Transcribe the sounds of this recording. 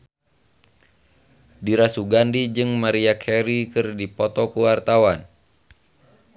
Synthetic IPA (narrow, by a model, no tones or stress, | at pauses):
diɾasuɡandid͡ʒɨŋmaɾiakʰɛɾikɨrdipɔt̪ɔkuwart̪awan